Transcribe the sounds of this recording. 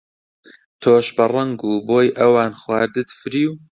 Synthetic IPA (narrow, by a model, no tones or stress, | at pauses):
t̪ʰoːʃbɐrˤɐŋɡuːboːjʔɐwaːnxwaːɾd̪ɨt̪fɨɾiːw